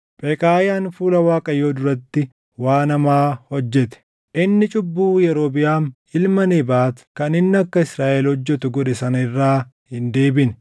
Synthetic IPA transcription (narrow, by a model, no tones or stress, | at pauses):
pʼeːkʼaːjaːnfuːlɐwaːkʼɐjo̞ːd̪ʊɾɐt̪ːɪ | waːnɐmaːhɔd͡ʒːɛt̪ɛ̥ | ʔɪnːɪt͡ʃʼʊbːuːjɛɾo̞ːbɪjaːn | ɪlmɐneːbaːt̪kɐnɪnːɐkːɐɪsɾaːʔɛlhɔd͡ʒːɛt̪ʊɡɔᶑɛsɐnɪrːaː | hɪnd̪e̞ːbɪn